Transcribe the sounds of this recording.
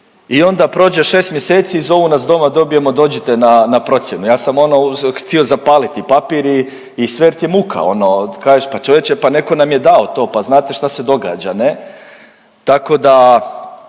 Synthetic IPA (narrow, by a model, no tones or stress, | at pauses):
io̞nd̪apɾo̞ːd͡ʑeʃe̞ːst̪mjeseːt̪siizo̞ʋunasd̪o̞mad̪o̞bije̞mo̞d̪oːd͡ʑet̪enanapɾo̞t̪sʲjenujaːsamo̞no̞xt̪io̞zapaːlit̪ipapiɾiː | sʋeɾt̪jemukʰa̰o̞nokaːʒeʃpat͡ʃo̞ʋjet͡ʃepane̞ko̞namjed̪aot̪o̞ːpaznaːt̪e̞ʃt̪ase̞d̪o̞ɡa̰ːd͡ʒane | t̪ako̞d̪a